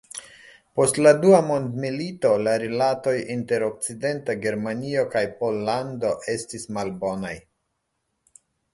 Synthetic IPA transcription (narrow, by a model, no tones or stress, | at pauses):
po̞stladuamo̞ndmilito̞laɾilato̞jinte̞ɾo̞k̚t͡side̞ntaɡe̞ɾmanio̞kajpo̞lːando̞ʔe̞stismalbo̞naj